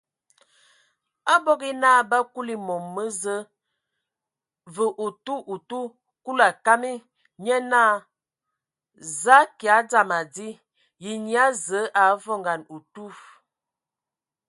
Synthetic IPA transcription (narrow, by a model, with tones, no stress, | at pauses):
a˦bɔ˦ɡi˦na˦ba˦ku˦li˦˨mɔ˨mːə˦zə˦ | və˨ʔu˨tu˦ʔu˨tu˦ | ku˦la˨ka˦mi˦ | ɲɛ˦naː˦˨ | za˦ki˨a˨˦d͡za˦˨ma˨di˦ | ji˨ɲi˦a˦zə˨˦ʔa˨˦vɔ˦ŋɡa˨nu˨tu˦